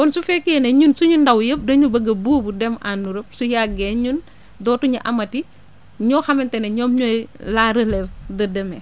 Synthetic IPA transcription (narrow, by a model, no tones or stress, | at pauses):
kɔnsufɛkːiɛnɛɲunsuɲundɐwjəp̚dɐɲubəɡɐbuːbudɛmanːuɾəp̚sujaɡɛɲun | dɔːtuɲuʔɐmɐti | ɲɔːxɐmɛntɛnɐɲɔmɲɔjlaɾəlɛfdədɐmɛ